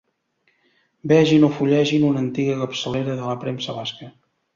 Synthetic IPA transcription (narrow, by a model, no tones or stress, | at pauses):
bɛʒinofuʎɛʒinunənt̪iɣəkəpsəleɾəðələpɾemsəβaskə